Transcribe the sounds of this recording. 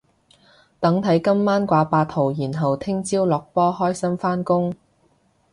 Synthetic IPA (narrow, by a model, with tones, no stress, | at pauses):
t̪ɐ˨˧˥ŋt̪ʰɐ˨˥jkɐ˥mːaː˥nkʷaː˧paː˧t̪ʰːo˨˩wjiː˨˩nɦɐ˨wt̪ʰɪ˥ŋt͡siː˥wlɔː˨k̚pɔː˥hɔː˥jsɐ˥mfaː˥nkʊ˥ŋ